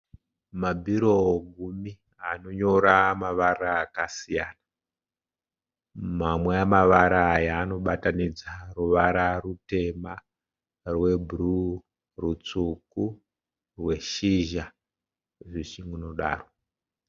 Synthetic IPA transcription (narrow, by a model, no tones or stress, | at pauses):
mabʱiɾo̞ɡʱumi | ano̞ɲo̞ɾamaʋaraːkasijaːna | mamweamaʋaɾaːjaːno̞ɓatanid͡zaruʋaɾarute̞ma | rwe̞bʱuru | rut͡suku | rwe̞ʃiʒa | ʐiʃiŋuno̞ɗa̰ːro